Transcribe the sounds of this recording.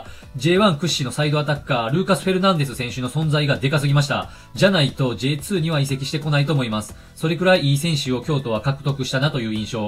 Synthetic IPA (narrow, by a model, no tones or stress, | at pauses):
d͡ʑe̞ːβãŋkɯ̟ɕːino̞said̪o̞at̪akːaɾɯ̟ːkasɨ̥ɸe̞ɾɯ̟nãnd̪e̞sɨsẽ̞ɰ̃ɕɨno̞sõ̞nd͡zaiɡad̪e̞kasɨɡʲimaɕi̥t̪a̰ | d͡ʑanait̪o̞ʑe̞ːt͡sɨːɲ̟iβaise̞kʲi̥ɕi̥t̪e̞ko̞nait̪o̞ːmo̞imasɨ̥ | so̞ɾe̞kɯ̟ɾaiʔiːsẽ̞ɰ̃ɕɨo̞kʲo̞ːt̪o̞βakakɯ̟̥t̪o̞kɯ̟ɕi̥t̪anat̪o̞jɯ̟ːĩɰ̃ɕo̞ː